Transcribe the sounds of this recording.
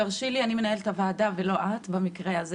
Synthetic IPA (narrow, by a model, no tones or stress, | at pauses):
aʁʃilianime̞nae̞lt̪avaːdavelo̞ʔat̪bamikʁeaz